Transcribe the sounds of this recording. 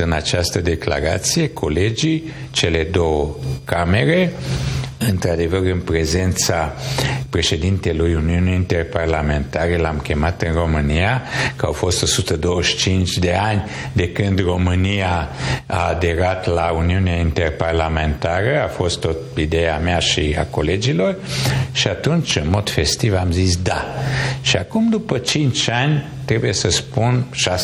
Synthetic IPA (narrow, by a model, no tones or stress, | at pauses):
ɨnat͡ʃast̪əd̪e̞kla̰ɾa̰t̪sije̞kʰo̞le̞d͡ʒi | t͡ʃe̞le̞d̪o̞wəkame̞ɾe̞ | ɨnt̪ɾad̪e̞vərɨnpɾe̞ze̞nt̪sapɾe̞ʃe̞d̪int̪elujuniuneint̪e̞rparlame̞nt̪aɾelamkʲe̞mat̪ɨnro̞mɨnijakəa̰wfo̞st̪o̞sut̪əd̪o̞wəʃt͡ʃint͡ʃd̪e̞anʲ | d̪e̞kɨnd̪ro̞mɨnijaa̰ːd̪e̞ɾat̪launiuneaint̪e̞rparlame̞nt̪aɾəafo̞st̪ːot̪id̪ejameaʃia̰ko̞le̞d͡ʒilo̞rʃiat̪unt͡ʃɨnmo̞d̪̥fe̞st̪ivamzisd̪aʃiakumd̪upət͡ʃint͡ʃanʲ | t̪ɾe̞bujesəspunʃa